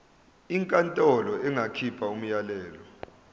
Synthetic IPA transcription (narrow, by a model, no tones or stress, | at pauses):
iŋkʼantʼɔlɔɛŋʱakʰipʰaum̩jalɛːlɔ